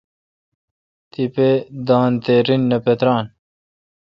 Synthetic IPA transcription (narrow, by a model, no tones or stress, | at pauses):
t̪iped̪aːnt̪eɾinːɐpet̪ɾɑːn